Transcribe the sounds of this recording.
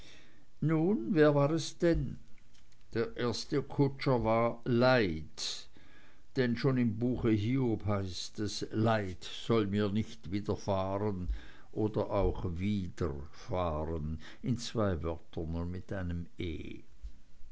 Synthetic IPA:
nuːnveːɐvaːʁɛsd̥ɛn | d̥eːɐʔeːɐstəkʰʊt͡ʃəvaːɐlaɪt | d̥ɛnʃoːnɪmbuːxəɦiːobhaɪstɛslaɪt | z̥ɔlmiːɐnɪçtviːdɐfaːʁən | ʔoːdɐʔaʊxviːdə̰ | faːʁən | ɪnt͡sv̥aɪvœɐtʰənʊnmɪtʔaɪnəmḛː

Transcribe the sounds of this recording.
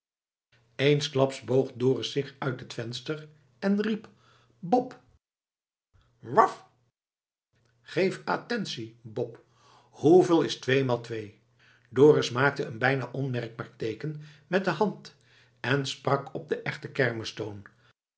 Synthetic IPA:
ejnsklɑpsbowχdʊːrəsɪχœɥtɦətfɛnstər | ɛnrip | bɔp | ʋɑf | χejfa̰tɛnsibɔp | huvɪːlˠɪstʋejmaːlˠtʋej | dʊːrɪsmaːk̚təənbɛjna̰ːʔɔnmɛrɡ̚baːɹtejkənmɛt̚dəɦɑnt | ɛnsprɑkɔb̚dəʔɛχtəkɛɹməstown

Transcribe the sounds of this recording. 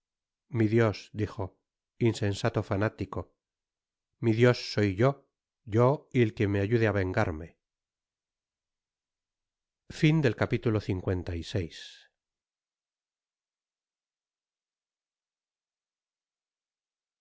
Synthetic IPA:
miðjo̞sd̪ixo̞ | insẽ̞nsat̪o̞fanat̪iko̞ | miðjo̞sːo̞jʝo̞ | ʝoielkemeaʝuðeaβe̞ŋɡaɾme̞ | find̪e̞lkapit̪ulo̞θiŋkwe̞nt̪aise̞js

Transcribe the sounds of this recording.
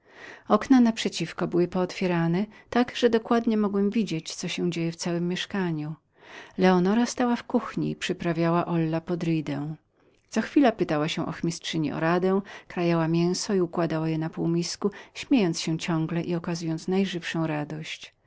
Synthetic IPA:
ɔknanapʂɛt͡ɕifkɔbɘwɘpɔːt̪fʲjɛɾanɛt̪aɡʐ̥ɛd̪ɔkwad̪ɲɛmɔɡwɛmvʲid͡ʑet͡ɕt̪sɔɕɛw̃d͡ʑejɛft̪sawɘmːjɛʂkaɲu | lɛɔnɔɾast̪awafkuxɲḭpʂɘpɾavʲjawaʔɔlːapɔd̪ɾijd̪ɛ̃w̃ | t̪sɔxfʲilapɘt̪awaɕɛʔɔ̰xmʲistʂɘɲḭɔ̰ɾad̪ɛ̃kɾajawamʲjɛ̃w̃sɔiukwad̪awajɛnapuwmʲiskuɕmʲjejɔnt̪sɕɛt͡ɕɔ̃ŋɡlɛʔiɔkazujɔnt̪snajʐɘfʂɔ̃w̃ɾad̪ɔɕt͡ɕ

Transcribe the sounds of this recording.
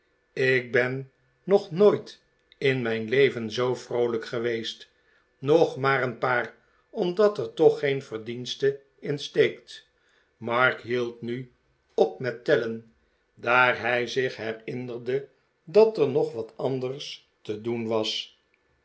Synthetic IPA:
ɪk̚bɛnː | ɔχnoːjt | ɪnmɛjnlejvənzowfrowləkχəʋejst | nɔχmaːɾənpaːr | ɔmdɑtəɹtɔχejnfərdinstə | ɪnstejkt | mɑɹkɦilˠtny | ɔp̚mɛtːɛlən | daːɹɦɛjzɪχɦɛrɪndərdə | dɑtəɹnɔχʋɑtʰɑndərs | tədunʋɑs

